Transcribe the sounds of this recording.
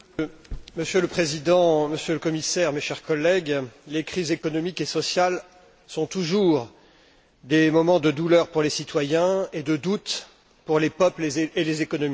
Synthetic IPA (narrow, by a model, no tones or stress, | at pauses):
məsjøləpχezid̪ɑ̃məsjøləkɔmisɛʁmeʃɛʁkɔlːɛɡlekχizekɔnɔmikesɔsjal | sɔ̃t̪uʒuʁ | d̪emɔmɑ̃d̪əd̪ulœʁpuʁlesit̪wajɛ̃ed̪əd̪ut̪ | puʁlepœpleelezekɔnɔmi